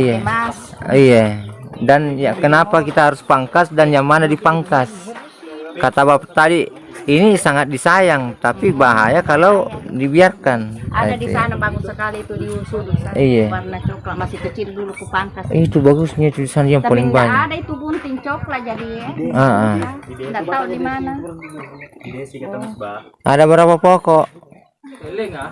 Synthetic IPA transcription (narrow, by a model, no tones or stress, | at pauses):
ija | ijadanjakənapakit̪aɦaɾuspaŋkasdanjaŋmanadipaŋkas | kat̪abapat̪adiː | nisaŋat̪̚disajaŋt̪apibaɦa̰jakalaudibiarkanaaadisanabaɡussəkalit̪udiusudsaijaarnat͡ʃɔklamasikət͡ʃildulukupaŋkait̪ubaɡusɲait̪udisanaiaŋppaliŋbaɲaadait̪ubunt̪iŋt͡ʃɔklaʔd͡ʒadiaaʔandat̪audimana | adabaɾapapɔkɔʔ